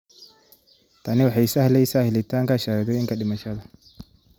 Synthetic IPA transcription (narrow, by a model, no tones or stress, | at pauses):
t̪ʰɐnɪwɑħɑjsɐhlɛjsaːhɪlɪt̪ʰaːŋkaʃaːɾd̪ɔɪŋkɐɗɪmɐʃɐðɐ